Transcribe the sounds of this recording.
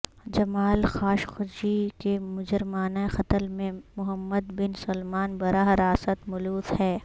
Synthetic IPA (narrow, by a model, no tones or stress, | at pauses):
d͡ʒɐmaːlxaːʃxʊd͡ʒikemʊd͡ʒəɾmaːnaexɐt̪əlmẽmʊɦəmːəd̪bɪnsɐlmaːnbɐɾaːɦɾaːsət̪mʊluːzhɛː